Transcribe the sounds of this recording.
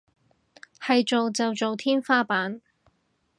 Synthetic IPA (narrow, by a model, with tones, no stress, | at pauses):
hɐ˨jt͡ʃo˨wt͡sɐ˨wt͡so˨wt̪ʰiː˥nfaː˥paː˨˥n